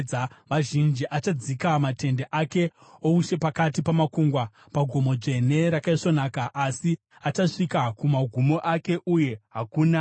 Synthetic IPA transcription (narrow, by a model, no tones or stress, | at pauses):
ʋaʒind͡ʒiʔat͡ʃad͡zikamate̞ndeʔake̞ouʃe̞pakatipamakuŋɡwa | paɡʱo̞mo̞d͡ʐe̞ne̞ɾakaiʂo̞naːkaʔasi | at͡ʃaʂikakumaɡʱumo̞ʔake̞ʔuje̞ɦakuːna